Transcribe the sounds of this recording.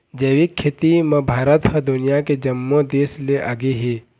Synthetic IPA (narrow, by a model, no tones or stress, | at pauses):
d͡ʒeːʋikʰːet̪imẽbʱaːɾət̪həd̪ʊnɪjaked͡ʒɐmːõd̪eːsleʔaːɡeɦeː